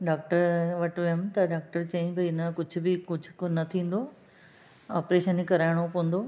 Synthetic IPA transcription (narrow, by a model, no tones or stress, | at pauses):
ɖaːk̚ʈəɾʋɐʈʋɐəmt̪ɐɖaːk̚ʈəɾt͡ɕẽːɲd͡ʑbɐɪnəkʊd͡ʑʱʊ̆bɪkʊd͡ʑʱʊknɐt̪ʰĩːn̆d̪oː | aːpɾeːʃənikɐɾaːɪɽ̃opoə̃n̆d̪o